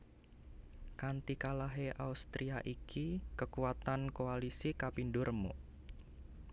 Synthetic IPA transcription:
kant̪ikalaɦeʔa̰ust̪ɾiaʔikʰikəkuat̪ankoalisikapindʊrmṵ

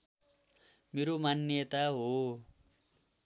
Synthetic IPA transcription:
meɾomanjʌt̪aɦo

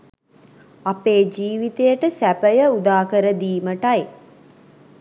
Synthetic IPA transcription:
apeːd͡ʒiːʋit̪ejəʈəsæpəjəud̪aːkəɾəd̪iːməʈaj

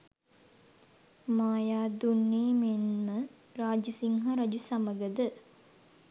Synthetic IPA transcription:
maːjaːd̪unːiːmenmə | ɾaːd͡ʒəsiŋɦaɾad͡ʒusaməɡəd̪ə

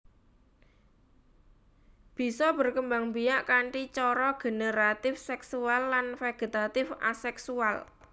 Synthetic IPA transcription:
b̥i̤sɔb̥ə̤rkəmbaŋbijaʔkaɳʈit͡ʃɔɾɔɡ̥e̤nəɾat̪ɪfsɛksualːanfeɡ̥e̤t̪at̪ɪfa̰sɛksual

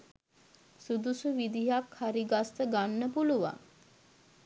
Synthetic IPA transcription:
sud̪usuʋid̪iɦakʰhaɾiɡast̪əɡanːəpuluʋa̰ŋ

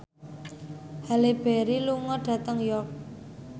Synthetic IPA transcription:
haleb̥ɛɾiluŋɔɖ̥ä̤t̪əŋjɔk̚

